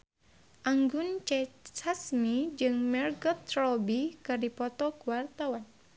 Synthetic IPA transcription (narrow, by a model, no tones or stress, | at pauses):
ʔaŋɡʊnt͡ʃɛsasmid͡ʒɨŋmɛrɡɔt̪rɔbikardipɔt̪ɔkuwart̪awan